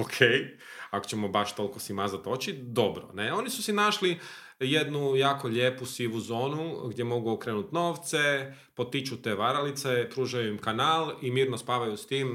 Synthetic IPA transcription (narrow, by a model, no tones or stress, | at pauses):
okʰej | ako̥t͡ɕt͡ʃemo̞baʃt̪o̞lko̞simazat̪o̞t͡ɕid̪o̞bɾo̰neo̞nisusinaʃli | jed̪nujaːko̞ʎeːpusiʋuzo̞ːnuɡd̪ʲje̞mo̞ɡuokɾenut̪no̞ːʋt̪se | po̞t̪it͡ʃut̪e̞ʋaɾalit̪sepɾuːʒajuimkanaːlimiːɾnospaʋajust̪iːm